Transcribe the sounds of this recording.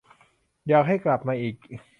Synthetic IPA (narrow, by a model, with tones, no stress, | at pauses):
jaː˨˩k̚ɦa˥˩jkla˨˩p̚maː˧ʔiː˨˩k̚